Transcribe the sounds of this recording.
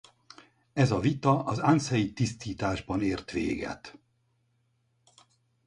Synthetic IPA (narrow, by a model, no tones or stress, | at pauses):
ɛzɒvit̪ɒʔɒzansɛjit̪ist̪iːt̪aːʒbɒneːrt̪ʋḛːɡɛ̰t̪